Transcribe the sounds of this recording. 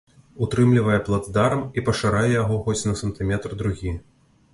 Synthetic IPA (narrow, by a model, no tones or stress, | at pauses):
ut̪ɾɨmlʲivɐjɛplˠad̪d̪aɾɐmipɐʂaɾajɛjaɣɔxɔsʲnɐsɐnt̪ɨmʲɛt̪rd̪ɾuɣʲi